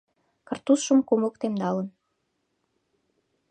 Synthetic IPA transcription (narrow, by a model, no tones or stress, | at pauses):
kɤ̆rt̪usʃəmkomokt̪emnɑlən